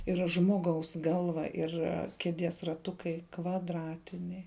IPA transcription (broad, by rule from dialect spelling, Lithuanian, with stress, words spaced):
ˈɪrɐ ˈʒmoːˌɡɐʊs ˈɡɐlˠʋɐ ɪr ˈkʲæːˌdʲiɛs rɐˈtʊkɐɪ kʋɐdˈrɑːtʲɪnʲɛɪ